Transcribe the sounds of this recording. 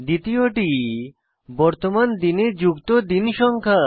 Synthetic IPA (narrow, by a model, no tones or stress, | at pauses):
d̪it̪ioʈi | bɔɾt̪omand̪ined͡ʑukt̪od̪inʃɔŋkʰa